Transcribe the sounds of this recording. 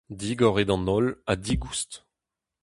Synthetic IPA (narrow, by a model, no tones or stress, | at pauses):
d̪iɡɔʁed̪ɑ̃nɔlad̪iɡust̪